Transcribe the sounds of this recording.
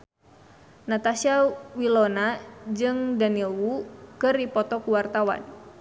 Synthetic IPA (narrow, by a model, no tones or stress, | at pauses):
nat̪asiawilɔnad͡ʒɨŋdanilwukɨripɔt̪ɔkuwart̪awa̰n